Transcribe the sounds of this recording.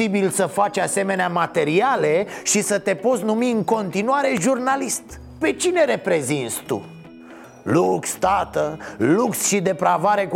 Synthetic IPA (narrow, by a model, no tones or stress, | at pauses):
ibilsəfat͡ʃʲase̞me̞neamat̪e̞ɾiale̞ʃisət̪e̞po̞t̪sʲnumiɨŋko̞nt̪inuaɾe̞ʒurnalist̪ | pe̞t͡ʃine̞ɾe̞pɾe̞zint̪sʲt̪ṵ | lukst̪at̪əluksʃid̪e̞pɾavaɾe̞k